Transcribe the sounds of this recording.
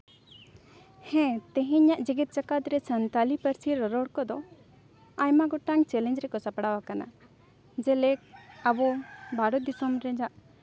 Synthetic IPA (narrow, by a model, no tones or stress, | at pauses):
hɛ̃t̪ɛɦɛ̃ɲaʔd͡ʒiɡit̪̚t͡ʃakat̪ɾɛsənt̪alipəɾsiɾɔɾɔɽkɔd̪ɔ | ajmaɡɔʈaŋt͡ʃɛlɛ̃ɲd͡ʒɾɛkɔsapɽawakana̰ | d͡ʒɛlɛk̚abɔbaɾɔd̪isɔmɾɛd͡ʒaʔ